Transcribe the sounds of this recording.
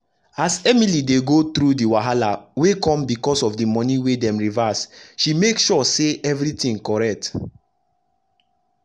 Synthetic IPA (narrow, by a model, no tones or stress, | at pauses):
asɛmilideɡot̪ɹudiwaɦalawekɔ̃mbikɔsɔfdimɔ̃niwedɛ̃mɹivasʃimekʃɔseʔɛvɹitĩŋkɔɹɛk̚t